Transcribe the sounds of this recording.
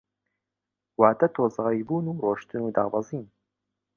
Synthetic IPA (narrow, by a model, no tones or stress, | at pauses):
waːd̪ɐt̪ʰoːzɑibuːnuːroːʃt̪ɨnuːd̪ɑ̰ːbɑziːn